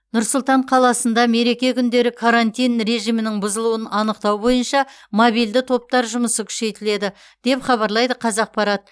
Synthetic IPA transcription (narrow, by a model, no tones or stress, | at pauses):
nʊɾsʊlˠt̪ɑɴqʰɑlˠɑsənd̪ɑme̞ɾe̞kʲe̞kʲʰʏnd̪e̞ɾɪkʰaɾant̪ʲijnɾe̞ʒijmɪnɪŋbʊzəlˠuwənɑnəqt̪ɑwbo̞jənʃɑ | mobijld̪ɪt̪ʰo̞p̚t̪ɑɾʒʊməsəkʲʰʏ̥ʃe̞jt̪ɪle̞d̪ɪ | d̪̥e̞pχɑβɑɾlˠɑjd̪əqʰɑzɑq̚pɑɾɑt̪̚